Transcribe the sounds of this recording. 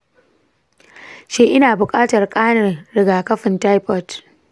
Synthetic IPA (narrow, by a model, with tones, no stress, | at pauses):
ʃeː˦ʔɪ˦naː˨bʊ˨kʼaː˦tɐ˨rkʼaː˦nɐ˨rɾɪ˨ɡaː˨kɐ˦ɸɪ˨ntaː˦jpɔ˦˨t